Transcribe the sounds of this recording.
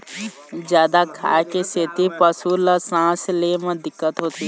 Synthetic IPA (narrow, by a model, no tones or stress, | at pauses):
d͡ʒjaːd̪akʰa̰ːekeseːt̪ipəsuɾlasãːslemẽd̪ɪkːət̪ɦoːt̪i